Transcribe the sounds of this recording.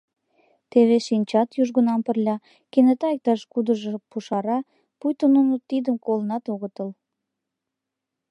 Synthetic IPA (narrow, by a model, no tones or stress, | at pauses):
t̪eβeʃinʲt͡ɕɑt̪juʒɣənɑmpərlʲɑ | kenet̪ɑek̚t̪ɑʃkud̪əʒɤpuʃɑɾɑ | pujt̪ənunot̪id̪əmkolənɑt̪oɣət̪əl